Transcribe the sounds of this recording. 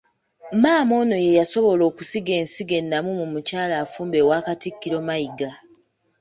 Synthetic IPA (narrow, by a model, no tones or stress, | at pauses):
maːmo̞ːno̞je̞jaso̞βo̞lo̞ːkusiɡe̞ːnsiɡe̞nːamumumucaːlaːfuːmbe̞waːkatikːiɾo̞maiɡa